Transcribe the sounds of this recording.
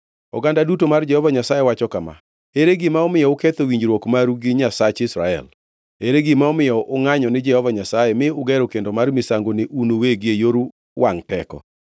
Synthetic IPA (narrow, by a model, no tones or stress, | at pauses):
ɔ̰ɡandadutomard͡ʒɛhɔvaɲasajewat͡ʃɔkama̰ | eɾeɡɪmaɔmɪjɔʊket̪owiɲd͡ʒɾwɔkmaɾuɡɪɲasat͡ʃɪsɾa̰ɛ̰l | eɾeɡɪmaɔmɪjɔʔʊŋaɲɔnɪd͡ʒɛhɔvaɲasajɛmɪʊɡɛɾokendomarmɪsaŋɡoneʔunoweɡɪejoɾu | wʔaŋtɛkɔ̰